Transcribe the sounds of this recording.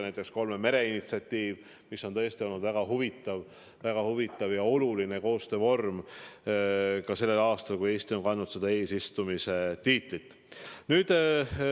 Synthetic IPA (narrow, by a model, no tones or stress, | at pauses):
næjt̪ːˑe̞ksko̞lmeme̞ɾe̞init̪siɑt̪ːiːv | misːo̞nt̪ɤest̪io̞lnud̪væɡ̥ɑɦuvit̪ːˑɑv | væɡ̥ɑhuvit̪ːˑɑvjɑo̞luline̞ko̞ːst̪øːvo̞rm | kɑse̞lːe̞lɑːst̪ɑlkuje̞ːst̪io̞nkɑnːud̪se̞d̪ɑe̞ːsist̪umise̞t̪iːt̪ˑlit̪ː | nyːd̪̥